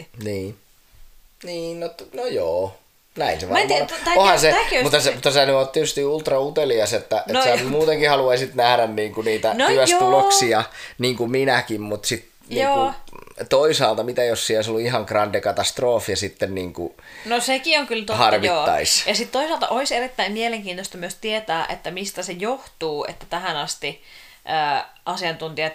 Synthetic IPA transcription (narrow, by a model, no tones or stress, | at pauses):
niː | niːnnot̪nojoː | næinseʋɑmɑohɑnseækmut̪ːɑsemut̪ːɑsænyoːt̪t̪iet̪yst̪iult̪rɑut̪eliɑset̪ːæʔensæmuːt̪eŋkihɑluɑisit̪næhɾænniːŋkuniːt̪ænyæt̪uloksiɑniːŋkuminækimmut̪sit̪ | nioːut̪oisɑːlt̪ɑmit̪æiossioˑisolːuihɑŋkrɑndekɑt̪ɑst̪roːfjɑsit̪ːenniːŋkṵ | nosekioŋkylt̪ohɑrʋioːɑ̰isjɑsit̪t̪oisɑːlt̪ɑ̰ʔoiserit̪ːæimmieleŋkiːnt̪ost̪ɑmyøst̪iet̪æːʔḛt̪ːæmist̪æsejoht̪uːḛt̪ːæt̪æhænɑst̪i | ʔəː | ʔɑsiɑnt̪unt̪iɑ